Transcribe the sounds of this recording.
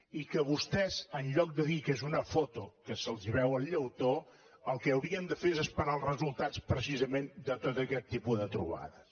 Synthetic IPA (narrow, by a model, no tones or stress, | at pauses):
ikəβust̪ɛzənʎɔk̚d̪əðikezunəfot̪ukəsəlˠziβ̞ɛwəlʎəwt̪o | əlˠkɛəwɾiənd̪əfeɾezəspəɾaəlˠzrəzulˠt̪at͡spɾəs̬izəmend̪ət̪ot̪əkɛt̪ːipuðət̪ɾṵβa̰ðə